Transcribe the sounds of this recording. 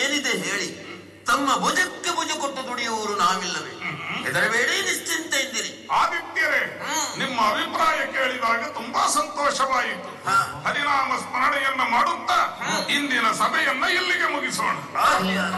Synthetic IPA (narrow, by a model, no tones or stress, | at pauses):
eːnid̪eɦeːɭi | t̪ɐmːɐbʱɔd͡ʒɐkːebud͡ʒɐkoʈːɐd̪uɽijɐʋɐɾunaːʋilːɐʋḛːɛd̪ɐɾɐʋeːɽiniʂʈint̪ɐjnd̪iɾi | aːʋ̪ikt̪jɐɾeːnimːɐːbʱipɾaːjɐkeːɭid̪aːɡɐt̪umbɐsɐnt̪ɔːʂɐʋaːɡit̪ːuhaːhɐɾinaːmɐspɐnɐɽɛjɐnːɐmaːɽut̪ːaind̪inɐsɐmɐjɐnːɐilːiɡemuɡiso̰ːɳulːa